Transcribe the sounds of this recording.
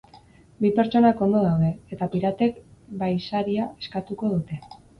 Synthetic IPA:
bipe̞ɾt͡ʃo̞nako̞nd̪o̞ð̞awðe̞et̪apiɾat̪e̞kbajsaɾiae̞̥skat̪uko̞ð̞ut̪e̞

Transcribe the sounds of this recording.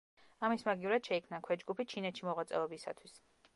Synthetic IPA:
amismaɡiuɾɛd̪ʃɛikʰmnakʰwɛd͡ʒɡupʰit͡ʃʰinɛt̪ʃimɔʁwat̪sʼɛ̰ɔbisa̰t̪ʰwis

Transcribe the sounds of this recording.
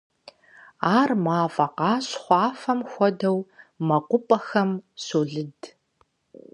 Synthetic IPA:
aːrmaːfʼɐqɑːɕχʷɑːfɐmxʷɔdɐwmɐqʷʊpʼɐxɐmsoːɮɨd

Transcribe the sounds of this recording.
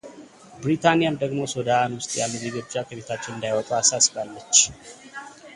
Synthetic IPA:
bɾit̪ʰanijamd̪əɡmo̞sod̪anwʊst̪ʼja̰lːəmiɡod͡ʒakʰəβe̞t̪ʰat͡ʃːɪnɨnd̪ajwɔkʼuasasɨbalːət͡ʃː

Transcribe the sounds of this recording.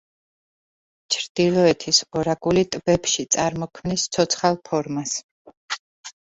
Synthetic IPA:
t͡ʃʰɾd̪̥ilˠɔɛt̪ʰisɔɾaɡulit̪ʼbɛpʃit̪sʼaɾmɔkʰmnist̪sʰɔt̪sʰχalˠpʰɔɾmas

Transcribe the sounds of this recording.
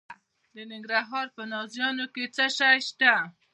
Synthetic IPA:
d̪ənɪŋɡɾaɦɑɾpənɑzjɑnoket͡səʃajʃt̪a

